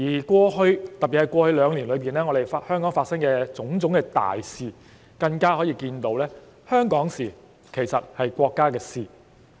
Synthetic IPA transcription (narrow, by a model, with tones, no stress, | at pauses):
jiː˨˩kʷɔː˧hɵ˧ɥt̪ɐ˨p̚pi˨˩hɐ˨jkʷwɔː˧hɵ˧ɥlœː˨˧ŋli˨˩nlɵ˨˧ɥpiː˨˩nlɛː˥ŋɔː˨˧ɾe˨ja˧hœː˥ŋkɔː˨˥ŋfaː˧t̚sɐ˥ŋkɛː˧t͡sʊ˨˥ŋt͡sʊ˨˥ŋkɛː˧t̪a̰ː˨jsiː˨ | kɐ˧ŋkaː˥hɔː˨˥jiː˧kiː˧nt̪o˧˥wlɛː˥ | hœː˥ŋkɔː˨˥ŋsiː˨˩ | kʰe˨˩jsɐ˨t̚hɐ˨jkʷɔː˧kːaː˥kɛː˧siː˨˧